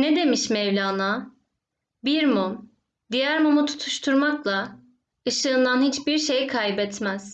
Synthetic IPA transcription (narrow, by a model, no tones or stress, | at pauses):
ned̪e̞miʃmɛvlʲaːna | biɾmom | d̪ijæɾmomut̪ʰu̥t̪ʰu̥ʃt̪ʰuɾmaklˠa | ɯʃɯːnd̪ˠanhit͡ʃbiɾʃe̞jkʰajbɛt̪mæz̥